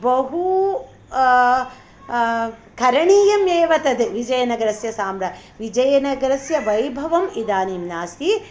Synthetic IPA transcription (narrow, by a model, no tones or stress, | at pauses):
bɐɦu | kʰɐɾɐɳiːjɐmeːʋɐt̪ɐd̪eʋid͡ʒɐjɐnɐɡɾɐsjɐsaːmɾɐʋid͡ʒɐjɐnɐɡɾɐsjɐʋɐjbʱɐʋɐmid̪aːniːmnaːst̪i